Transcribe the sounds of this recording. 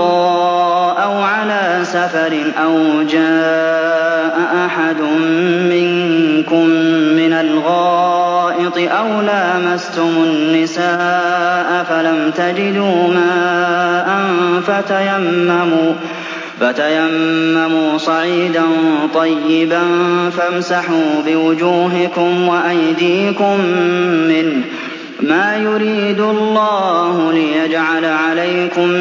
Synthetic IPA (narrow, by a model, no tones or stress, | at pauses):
ɑ | ʔawʕalaː | safɑɾɪnʔawd͡ʒaː | ʔaʔaħad̪ʊmːɪŋkʊmːɪnalɣɑːʔɪt̪ˤɨʔawlaːmast̪ʊmʊnːɪsaːʔafalamt̪ad͡ʒɪd̪uːmaːʔanfat̪ajamːamuː | fat̪ajamːamuːsˤɑʕiːd̪ant̪ˤɑjːɪbanfamsaħuːbɪwʊd͡ʒuːɦɪkʊmwaʔajd̪iːkʊmː | ɪn | maːjʊɾiːd̪ɑlːɑːhʊlɪjad͡ʒʕalʕalajkʊm